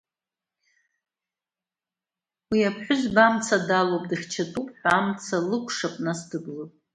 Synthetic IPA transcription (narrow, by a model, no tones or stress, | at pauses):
wiapʰħʷᶣʊzbamt͡sʰadalopʼdɨχʲt͡ʃʰatʼupʼħʷᶣaamt͡sʰalɨkʷʼʰʂapʼnasdɨblotʼ